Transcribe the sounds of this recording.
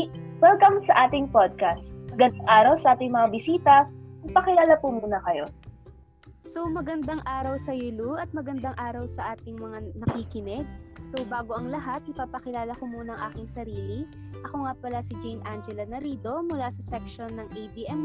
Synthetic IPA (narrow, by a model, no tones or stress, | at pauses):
wɛlkɐmsɐʔaːt̪ɪŋpod̪̚kɐst̪ɐɡɐnd̪ŋʔaːɾɐwsɐʔaːt̪ɪŋmɐŋabɪsiːt̪ɐnɐɡ̚pɐkɪlaːlɐpumuːnɐkɐjo̞ | somɐɡɐnd̪aŋʔaːɾɐwsɐjɪluʔɐt̪̚mɐɡɐnd̪aŋʔaːɾɐwsɐʔaːt̪ɪŋmɐŋanɐkikɪnɛsobaːɡo̞ʔɐŋlɐɦat̪̚ʔɪpaːpɐkɪlaːlɐkomuːnɐɐŋʔaːkɪŋsɐɾiːliʔɐkoŋapɐlasɪd͡ʒɛjnʔand͡ʒɛlɐnɐɾiːd̪o̞mʊlaːsɐsɛkʃonːɐŋʔejbiːʔɛm